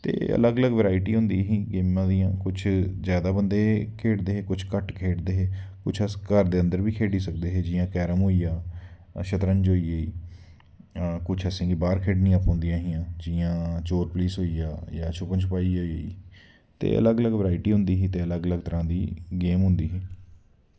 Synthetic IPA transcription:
t̪ḛːə̰ləɡələɡʋəɾaːɪʈiːɦʊnd̪iːɦĩːɡeːmãːd̪ijãːkʊt͡ʃʰzjaːd̪aːbənd̪eːkʰeːɽd̪eːɦeːkʊt͡ʃʰkəʈkʰeːɖd̪eːɦeːkʊt͡ʃʰəskəɾd̪eːə̃nd̪əɾbiːkʰeːɖiːsək̚d̪eːɦeːd͡ʒɪːãːkɛːɾəmɦoːiːjaː | ʃət̪ɾə̃ɲd͡ʒɦoːiːeiː | kʊt͡ʃʰəsẽːɡiːbaːɾkʰeːɖnĩːəpɔ̃ːnd̪ijãːɦiːãːd͡ʒiãːt͡ʃoːɾpliːsɦoːiːjaːjaːt͡ʃʰʊpənt͡ʃʰʊpaːiːɦoːiːeḭː | t̪ḛːʔə̰ləɡələɡʋəɾaːɪʈiːɦʊ̃nd̪iːɦiːt̪eːələɡələɡt̪əɾãːd̪iːɡeːmɦʊ̃nd̪iːɦiː

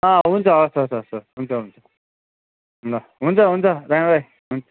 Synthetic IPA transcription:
ʌ̃ɦunt͡sʰʌʌsʌsʌsʌɾɦunt͡sʰʌɦunt͡sʰʌ̥ | ɦnlʌ | ɦunt͡sʰʌɦunt͡sʰʌɾãɾaj | ɦunt͡sʰʌ

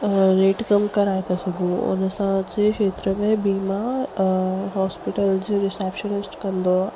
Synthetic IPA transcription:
ɾeːʈkɐmkɐɾaːet̪ʰasɐɡʱũʊ̰nsãd͡ʑɪkʃeːt̪ɾəmẽbiːma | ɦɔːspɪʈəld͡ʑɾɪseːpʃənɪsʈkɐ̃nd̪o

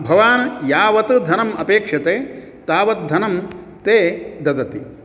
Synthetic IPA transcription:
bʱɐʋaːnɐjaːʋɐt̪ɨd̪ʱɐnɐmɐpeːkʂɐt̪eː | t̪aːʋɐt̪̚d̪ʱɐnɐm | t̪eːd̪ɐd̪ɐt̪i

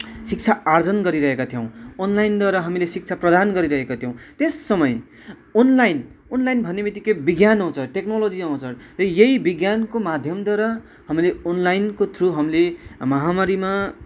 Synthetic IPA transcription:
sik̚t͡sʰaard͡zʌnɡʌɾiɾʌɦekat̪ʰijʌ̃w̃onlajnd̪ʌɾʌɦamilesik̚t͡sʰaprʌd̪anɡʌɾiɾʌɦekot̪ʰjiw̃t̪esːʌmʌj | onlajn | onlajnbʱʌnːemit̪ikebiɡjanɦʌw̃t͡sʰʌʈeknolod͡ziʌw̃t͡sʰʌrʌjʌibiɡjankomad̪ʱjʌmd̪ʌɾʌ | hʌmileonlajnkot̪ʰruɦʌmlemʌɦamaɾima

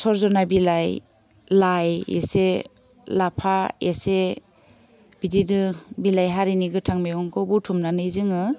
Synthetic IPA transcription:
sɔɾzɔnabilaj | lajḛse | lapʰaese | b̥ididɯbilajɦaɾiniɡɯtʰaŋmeɡɔŋkʰɔbutʰumnanɯjzɯŋɯ

